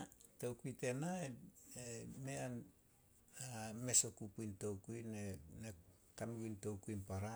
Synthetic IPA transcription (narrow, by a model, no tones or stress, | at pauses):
towkuite̞naeemean | ame̞sokupujnto̞wkujnene | kanuɡinto̞wkuinpaɾa